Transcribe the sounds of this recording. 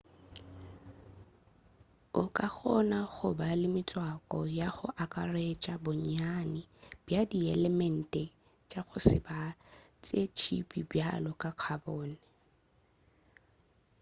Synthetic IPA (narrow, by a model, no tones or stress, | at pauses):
ʊkʼak͡xɔnaɣʊbalɪmɪt͡sʼwakʼɔjaχʊʔakʼaret͡ʃʼabʊɲanɪb̥jadiɛlɛmɛn̩tʼɛ | t͡ʃʼaɣʊsɪba | t͡sʼet͡ʃʰḭpʼibjalɔkʼaq͡χʰabɔːnɛ